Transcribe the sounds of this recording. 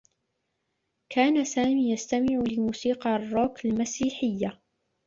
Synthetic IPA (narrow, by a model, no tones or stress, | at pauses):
kʰaːnasaːmiːjast̪amɪʕlɪmuːsiːqɑrˤːoːkalmasiːħɪjːa